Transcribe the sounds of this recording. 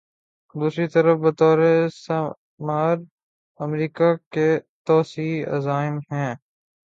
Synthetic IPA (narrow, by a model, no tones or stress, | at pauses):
d̪uːsɾit̪ɐɾəfbɐt̪ɔːɾes | maːɾ | ɐmɾiːkaket̪ɔːsiːɐ̰zaːɪmɦɛ̃ː